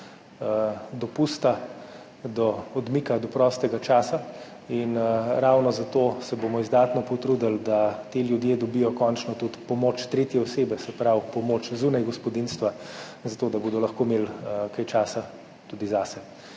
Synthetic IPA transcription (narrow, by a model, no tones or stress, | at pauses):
d̪ɔpust̪a | d̪ɔːd̪miːkad̪ɔpɾɔːst̪ɛɡat͡ʃaːsa | inɾawnɔzat̪oːsɛbomɔizd̪at̪nɔpɔt̪ɾud̪ald̪at̪eljud̪jeːd̪ɔbijɔkɔnt͡ʃnɔt̪ut̪pɔmoːt͡ʃt̪ɾeːt̪jɛɔseːbɛsɛpɾawpɔmoːt͡ʃzunajɡɔspɔd̪inst̪ʋa | zat̪oːd̪aboːd̪ɔlɐxkoːmeːlkajt͡ʃaːsa | t̪ud̪izasɛ